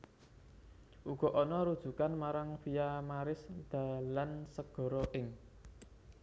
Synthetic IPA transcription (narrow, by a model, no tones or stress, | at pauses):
ʔuɡ̥ɔ̤ʔɔnɔɾud̥ʒ̥ṳkanmaɾaŋfijamaɾɪsd̪̥ä̤lansəɡ̥ɔ̤ɾɔʔɪŋ